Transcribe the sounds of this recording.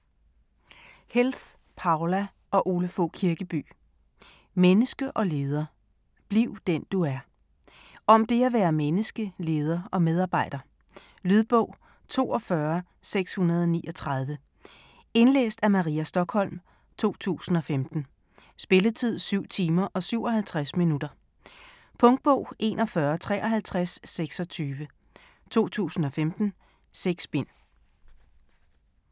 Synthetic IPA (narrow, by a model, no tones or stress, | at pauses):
hels | pʰɑ̈ʊlæ | ʔɒ̽ʔo̝ːləfo̰kʰiɐɡ̥əb̥y̰ː | menəsɡ̥əʔɒ̽le̝ːð̞ˠɐ | b̥liʊ̰d̥end̥uæɐ | ʔɒ̽md̥e̝æʋæːɐmenəsɡ̥əle̝ːð̞ˠɐʔɒ̽með̞ˠɑ̈ːb̥ɑ̈ɪ̰d̥ɐ | lyðˠb̥ɔ̰̽ʊ̰ | t͡sʰo̝̰ːɒ̽fɶɐ | seɡ̥shunɐð̞ˠɒ̽niːʔɒ̽t͡sʰʁɑð̞ˠʋə | e̝nlḛːsd̥æmɑ̈ʁiæsd̥ɒ̽ɡ̥hɒ̽l̰m | t͡sʰo̝̰ːt͡sʰṵːsn̩ɒ̽femd̥n̩ | sb̥e̝lət͡sʰið̞̰ˠsyʊ̰t͡sʰiːmɐʔɒ̽syʊ̰ɒ̽ɦælt͡sʰʁasminud̥ɐ | pʰɔ̽ŋd̥̚b̥ɔ̽ʊ̰ʔe̝ːnɒ̽fɶɐt͡sʰʁɛ̰ːʔɒ̽ɦælt͡sʰʁasːeɡ̥sɒ̽t͡sʰyːʋə | t͡sʰo̝̰ːt͡sʰṵːsn̩ɒ̽femd̥n̩ | seɡ̥sb̥e̝n̰